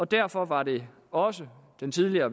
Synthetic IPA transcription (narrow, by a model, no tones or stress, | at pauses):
ɒ̽d̥æɐfɒ̽ʋɑ̈d̥e̝ | ɒ̽səd̥ent͡sʰið̞ˠliɐː